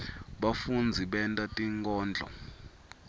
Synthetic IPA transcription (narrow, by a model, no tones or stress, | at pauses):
ɓafund͡zʱiɓɛntʼatʼiŋkʼɔːnd͡ɮʱɔ̰